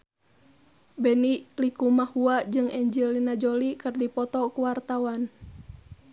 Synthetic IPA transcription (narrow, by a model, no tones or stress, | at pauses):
bɛniʔlikumahuad͡ʒɨŋɛɲd͡ʒilːinad͡ʒɔlikɨrdipɔt̪ɔkuwart̪awan